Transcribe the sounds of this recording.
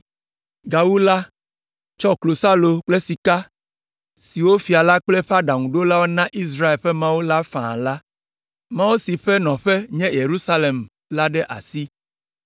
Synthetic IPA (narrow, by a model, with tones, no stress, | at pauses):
ɡa˨wu˦la˦ | t͡ʃɔ˦klo˨sa˦lo˨k͡plɛ˦si˨ka˦ | si˨wo˦fi˨a˨la˦k͡plɛ˦ɸa˦ɖa˨ŋũ˨ɖo˦la˦wo˦nã˦ʔi˦s̬ɾa˦e˨lɸɛ˦mã˦wo˦la˦fã̰˨la˦ | mã˦wo˦si˨ɸɛ˦nɔ̃˨ɸɛ˦ɲɛ̃˦je˨ɾu˦sa˦le˨m | la˦ɖɛ˦ʔa̰˨si˦